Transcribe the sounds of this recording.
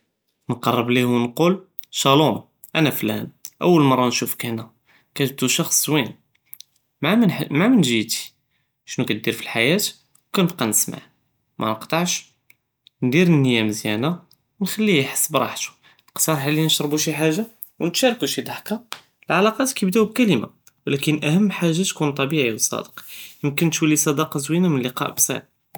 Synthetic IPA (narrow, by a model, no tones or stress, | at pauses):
nqɑrˤːəblihwnqul | ʃɑlum | ʔænæflæ̰nʔə̰wːəlmɑrˤːɑnʃufkænæ | kæb̚t̪uʃɑxsˤwin | mammamənʒit̪i̥ | ʃnukæt̪̚d̪iɾfilħajæt̪ | wkænəb̚qɑnəsma̰ʕ | mʔæ̰nəqt̪ˤɑʕʃ | nd̪iɾənːəjæmzjæna | wnxælːiħə̥sːəbɾˤɑ̰ħt̪u̥ | lqsˤɑɾˤħalːinəʃɾˤbuʃiħaʒːa | wnət̪ʃæɾkuʃid̪ˤɑħka | lʕalɑqɑt̪kæbd̪æwb̚kæləma̰ | wlækənʔæhəmːħaʒːat̪kunt̪ˤːɑbiʕiwəsˤːɑ̰d̪əqjəmkənt̪wəlːisˤɑd̪ɑqzwinamənlːiqɑ̰ʔbsæ̰n